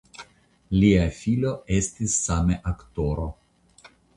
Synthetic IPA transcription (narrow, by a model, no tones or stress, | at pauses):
liafilo̞e̞st̪isːameʔakt̪oɾo